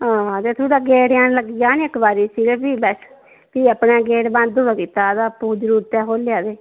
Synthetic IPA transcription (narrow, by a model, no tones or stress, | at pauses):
ɦãːt̪eːt̪ʰoːɽaːɡeːɽjãːnləɡɪjaːneɪkbaːɾiːsiːɡepiːbɛs | piːəpnẽːɡeːɽbãnd̪oːɽaːkiːt̪ːaːd̪aːpuːd͡ʒəɾuːɾət̪ɛːɦoːljaːd̪eː